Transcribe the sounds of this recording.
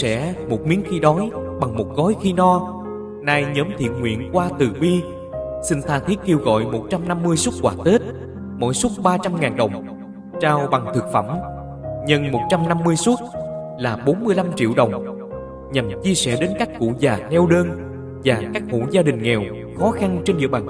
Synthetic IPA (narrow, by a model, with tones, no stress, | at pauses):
sɛ̰˧˥mo˨˩t̚mi˨˦ənxi˧ɗɔ˨˦jɓa˨˩ŋmo˨˩t̚ɣɔ˨˦jxi˧nɔ˧ | naː˧jɲəː˨˦mt̪ʰḭ˧˨ənŋwḭ˧˨ənkwaː˧t̪ɨ˨˩ɓi˧ | sï˧ŋ̟t̪ʰaː˧t̪ʰi˦˥ət̚ke˧əwɣɔ̰˧˨jmo˨˩t̚t͡ɕa˧mna˧mːɨ˧əjsu˦˥t̚kwaː˧˩t̪e˦˥t̚ | mo̰˧˥˨jsu˦˥t̚ɓaː˧t͡ɕa˧mŋaː˨˩nɗə˨˩wŋ͡m | t͡ɕaː˧wɓa˨˩ŋt̪ʰɨ˨˩k̚fə̰˧˩m | ɲə˧nmo˨˩t̚t͡ɕa˧mna˧mːɨ˧əjsu˦˥t̚ | laː˨˩ɓo˨˦nmɨ˧əjla˧mt͡ɕḭ˧˨əwɗə˨˩wŋ͡m | ɲa˨˩mt͡ɕi˧əsɛ̰˧˩ɗe˨˦nka˦˥k̚kṵ˧˩zaː˨˩nɛ˧wɗəː˧n | vaː˨˩kaː˦˥k̚ŋṵ˧˥zaː˧ɗï˨˩ŋ̟ŋɛ˨˩w | xɔ˨˦xa˧nt͡ɕe˧nɗɨ̰˧ə˩ɓaː˨˩